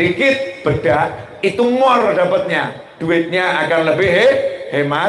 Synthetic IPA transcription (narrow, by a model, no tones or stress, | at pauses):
ikɪt̪̚b̥əɖ̥a | it̪uŋɔrdapət̪̚ɲa | ɖ̥uɪt̪̚ɲaakanləbɪɦehema